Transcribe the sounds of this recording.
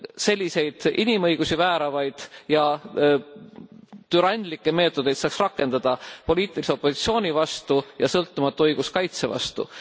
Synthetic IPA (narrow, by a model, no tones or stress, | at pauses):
se̞lʲːise̞jd̪̥ʔinimɤ̞jɡ̥usivæːɾɑvɑjd̪̥jɑ | t̪yɾɑnʲd̪likːˑeme̞ːt̪ːˑo̞d̪e̞jt̪sɑːksrɑkːˑe̞nd̪̥ɑd̪̥ɑpo̞lʲiːt̪ːˑiliseo̞pːˑo̞sit̪sio̞ːnʲivɑst̪ujɑsɤlt̪ːˑumɑt̪ːˑuɤjɡ̥uskɑjt̪se̞vɑ̰st̪ṵ